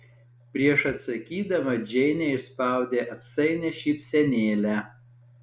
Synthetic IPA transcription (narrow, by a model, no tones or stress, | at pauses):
pʲɾʲiɛʃɐt̪sɐkʲiːd̪ɐʋɐd͡ʒʲɛɪnʲɛɪʃspɑˑʊd̪ʲeːʔɐt̪sɐɪnʲɛʃʲiːpsʲɛnʲeːlʲæː